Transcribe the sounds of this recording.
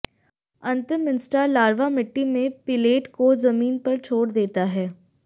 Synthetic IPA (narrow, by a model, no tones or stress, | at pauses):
ɐ̃nt̪ɪmːɪnsʈalaːɾʋamɪʈːimẽpɪleːʈkozɐmiːnpɐɾt͡ʃʰoːɽd̪eːt̪aɦɛː